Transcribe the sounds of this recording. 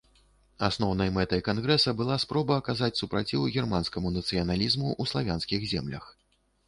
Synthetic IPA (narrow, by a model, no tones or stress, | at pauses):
asnɔwnɐjmɛt̪ɐjkanɣɾɛsɐbɨlˠaspɾɔbɐːkazat͡sʲsupɾat͡sʲiwɣʲɛrmanskɐmunɐt̪sɨjɐnalʲizmuʔuslˠavʲanskʲiɣzʲɛmlʲɐ̰x